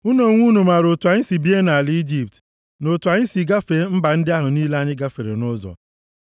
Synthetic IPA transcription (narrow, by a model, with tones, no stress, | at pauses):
u˦no˨ŋʷu˦nu˨ma˨ɾo˨tu˨a˨ɲɪ˦si˨bi˦e˦na˨li˦d͡ʒi˦p̚t | no˨tu˨a˨ɲɪ˦si˨ɡa˦fe˨˦m̩˦ba˨n̩˦dɪ˦a˦ɦʊ˨niː˦le˦a˦ɲɪ˦ɡa˦fe˨ɾḛ˨nʊ˦zɔ̰˨